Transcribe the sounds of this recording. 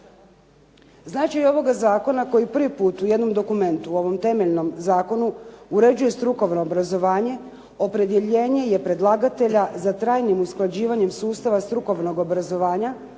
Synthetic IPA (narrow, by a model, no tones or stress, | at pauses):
znaːt͡ʃajo̞ʋo̞ɡazaːko̞nako̞jipr̩ʋipuːt̪uje̞d̪no̞md̪o̞kume̞nt̪uo̞ʋo̞mt̪e̞me̞ʎno̞mzaːko̞nuuɾe̞d͡ʑuje̞st̪ɾuko̞ʋno̞ːbɾazo̞ʋaːɲe̞ | o̞pɾe̞d̪je̞ʎe̞ːɲe̞je̞pɾe̞d̪lˠaːɡat̪e̞ʎazat̪ɾaːjnimusklˠad͡ʑiːʋaɲe̞msuːst̪aʋast̪ɾuko̞ʋno̞ɡo̞bɾazo̞ʋaːɲa